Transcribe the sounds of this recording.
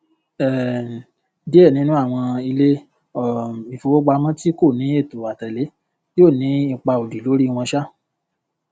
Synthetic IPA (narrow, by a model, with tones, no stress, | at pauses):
ɛ˨ | di˦ɛ˦˨nĩ˨˦nũ˦a˦˨w̃ɔ̃˧i˧le˦ | ɔ˦˨i˨fo˧wɔ˦ɡ͡ba˧mɔ̃˦ti˦ko˦˨nĩ˨˦e˦˨tu˨a˨tɛ˨le˨˦ | jo˦˨nĩ˨˦i˦˧˨k͡pa˧o˨di˨lo˨˦ɾi˦˧w̃ɔ̃˧ʃa˦